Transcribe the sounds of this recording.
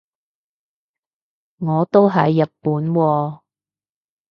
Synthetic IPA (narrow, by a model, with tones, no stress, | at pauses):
ŋɔː˨˧t̪o˥wɦɐ˨jːɐ˨t̚puː˨˥nwɔː˧